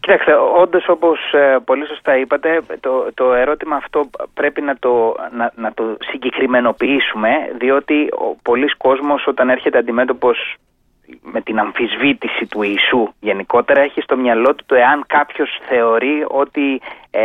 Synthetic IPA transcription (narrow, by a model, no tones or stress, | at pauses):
ci̥t̪ɐkst̪e̞o̞nd̪oso̞po̞spo̞liso̞st̪ɐipɐt̪e̞t̪ot̪o̞e̞ɾo̞t̪imɐːft̪o̞pɾe̞pinɐt̪onɐnɐt̪o̞siɲɟekɾime̞no̞piisume̞ðio̞t̪io̰po̞lisko̞zmo̞sot̪ɐne̞ɾçe̞t̪eɐnd̪ime̞t̪o̞po̞s | me̞t̪inɐɱfizvit̪isit̪uiːsuʝe̞niko̞t̪e̞ɾɐeçist̪o̞mɲɐlo̞t̪u̥t̪ue̞ɐŋkɐpço̞sθe̞o̞ɾio̞t̪i